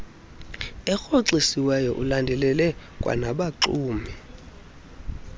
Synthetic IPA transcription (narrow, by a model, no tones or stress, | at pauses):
ɛxoǀisiwɛjɔʔulandʱɛlɛlɛ | kʼwa̰naɓaǁuːmi